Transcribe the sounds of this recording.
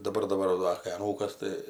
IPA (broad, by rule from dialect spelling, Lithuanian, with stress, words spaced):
dɐˈbɐr dɐˈbɐr ʋɐ ˈdɐr kɐɪ ɐˈnuːkɐs ˈtɐɪ